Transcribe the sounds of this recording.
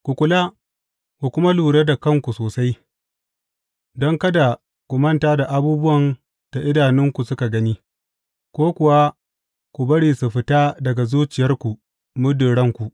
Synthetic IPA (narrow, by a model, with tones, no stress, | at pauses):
kʷu˨kʷʊ˨la˦ | ku˨kʷʊ˦ma˦luː˨ɽe˦da˨kɐ˦ŋkʷu˨soː˨sa˦j | dɔ˦ŋkɐ˦da˨ | kʷʊ˨mɐ˦ntaː˦da˨ʔa˦buː˦bʊ˦wɐ˨n | d̥a˨ʔɪ˦daː˨nɪ˦ŋkʷu˨sʊ˦ka˨ɡɐ˦niː˦ | kʷoː˦kʷʊ˨wa˦ | kʷu˨bɐ˦ɽiː˨su˨ɸɪ˦taː˦dɐ˨ɡa˨zuː˦t͡ʃɪ˨jɐ˦rkʷu˨ | mʊ˦dɪ˨ɽɐ˦ŋkʷu˨ʔ